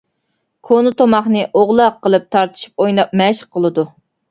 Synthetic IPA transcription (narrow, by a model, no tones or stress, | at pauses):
kʰonɨt̪ʰomɑχnɨʔoʁlˠɑqːəlˠɨp̚t̪ʰɑɾt̪ʰɨ̥ʃi̥p̚ojnɑp̚mɛʃqʰəlˠɨd̪u